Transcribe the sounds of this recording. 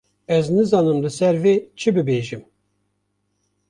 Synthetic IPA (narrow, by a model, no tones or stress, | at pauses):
ɛznɨzɑːnɨmlɨsɛɾveːt͡ʃʰɨbɨbeːʒɨm